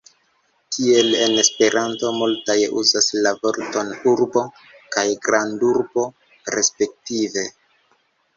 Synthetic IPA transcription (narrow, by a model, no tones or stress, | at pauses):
kie̞le̞ne̞spe̞ɾʔanto̞multajeʔṵzaslavo̞ɾto̞nuɾbo̞ | kajɡɾanduɾbo̞ | ɾe̞spe̞k̚tive̞